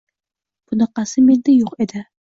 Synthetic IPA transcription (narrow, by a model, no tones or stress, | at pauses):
b̥ʊnɨqɑsɪmend̪ajoqed̪ɪ